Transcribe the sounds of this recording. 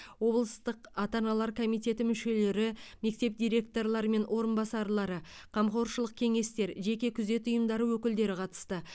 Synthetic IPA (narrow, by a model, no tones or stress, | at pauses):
wo̞blˠəst̪əqɑt̪ɑnɑlˠɑɾkʰo̞mijt̪ʲe̞t̪ɪmʏʃe̞le̞ɾɪme̞k̚t̪e̞pd̪ijɾʲe̞k̚t̪o̞ɾlˠɑɾəme̞nwʔo̞ɾənbɑsɑɾlˠɑɾə | qʰɑmqo̞ɾʃəlˠəq̚kʲʰe̞ŋe̞st̪e̞ɾʒe̞kʲe̞kʲʰʏze̞t̪ʊjəmd̪ɑɾəwɵkʲɪld̪e̞ɾɪqʰɑt̪ə̥st̪ə